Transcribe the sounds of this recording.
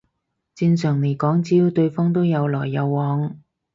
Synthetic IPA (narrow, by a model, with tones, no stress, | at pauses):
t͡siː˧nsœː˨˩ŋne˨˩jkɔː˨˥ŋt͡siː˥wt̪ɵ˧ɥfɔː˥ŋt̪o˥wjɐ˨˧wlɔː˨˩jːɐ˨˧wːɔː˨˥ŋ